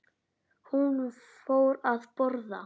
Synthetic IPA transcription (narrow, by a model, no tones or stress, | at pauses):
hun | foːwɾaðpɔɾða̰